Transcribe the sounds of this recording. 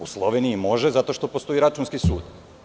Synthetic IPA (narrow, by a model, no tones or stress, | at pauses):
uslˠo̞ʋeniimo̞ʒezat̪o̞ʃt̪o̞po̞st̪o̞iɾat͡ʃunskisṵːd̪